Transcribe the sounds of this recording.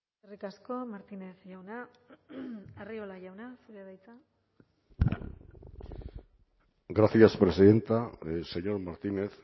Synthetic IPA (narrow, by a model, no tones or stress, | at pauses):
erikasko̞maɾt̪ine̞θʝawna | ario̞laʝawnasuɾeðajt͡sa | ɡɾaθiaspɾe̞siðe̞nt̪ase̞ɲo̞ɾmaɾt̪ine̞θ